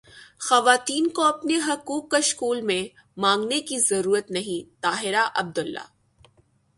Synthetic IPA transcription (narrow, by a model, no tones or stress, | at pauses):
xɐʋaːt̪iːnkoɐpneɦɐkuːkːaʃkuːlmẽ | mãːŋɡnekizɐɾuːɾət̪nɐɦĩt̪aːɦɪɾaʔɐb̚d̪ʊlːa̰ː